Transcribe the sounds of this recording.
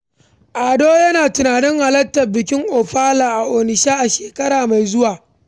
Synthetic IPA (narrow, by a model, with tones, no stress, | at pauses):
ʔaː˨doː˦jɐ˦naː˨tʊ˨naː˨nɪ˦ŋha˨lɐ˦tːɐ˨rbɪ˨kʲɪ˦ŋʔoː˨ɸaː˦laː˨ʔa˨ʔoː˨nɪ˨ʃaː˦ʔa˨ʃeː˨kɐ˦ɽaː˨ma˨jzʊ˦waː˨